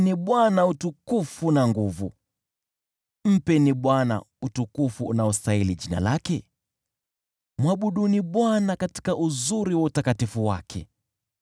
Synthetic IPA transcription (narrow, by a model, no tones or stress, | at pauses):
niɓwanautukufunaŋɡuvṵ | m̩pɛniɓwana̰ | utukufṵːnaɔstailiʄina̰lakɛ | mwaɓuɗuniɓwanakati̥kaʔuzuɾiwautakatifuwa̰kʰɛ̰